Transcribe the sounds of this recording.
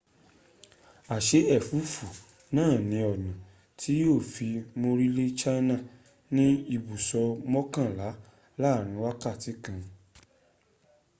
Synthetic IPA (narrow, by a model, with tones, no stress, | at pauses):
a˨ʃe˨˦ɛ˦˨fu˨˦fu˨ | nãː˦˨nĩ˨˧˦ɔ˨nã˨ | tʰi˦joː˦˨fi˧mo˧ɾi˦le˦t͡ʃa˦nã˦˨ | nĩ˦i˧bu˨sɔ˧mɔ̃˦kã˦˨la˨˦ | laː˦˨ɾ̃ĩ˧˦wa˦ka˦˨ti˨˦kã˧